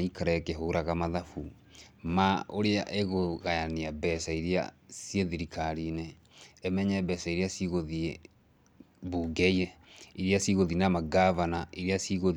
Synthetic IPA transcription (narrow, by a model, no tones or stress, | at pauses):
ikaɾɛkeɦoːɾaɣamaðafu | maoɾeaʔeɣoɣajaneabɛsaiɾea̰sjeðiɾikʰaɾineː | mɛɲɛbɛsaiɾeasiɣoðie | buːɡɛiɛiɾeasiɣoðinamaɡavanaʔiɾeasiɣo